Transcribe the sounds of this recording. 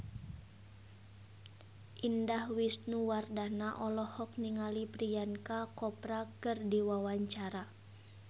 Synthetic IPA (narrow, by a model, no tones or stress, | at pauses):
ʔindahwisnuwardanaʔɔlɔhɔk̚niŋalipɾijankakɔpɾakɨrdiwawaɲt͡ʃaɾa